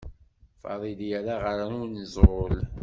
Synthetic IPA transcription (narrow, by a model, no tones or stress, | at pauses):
fɑ̰ðˤiljæɾaʁəɾanʊɾnəzˤʁol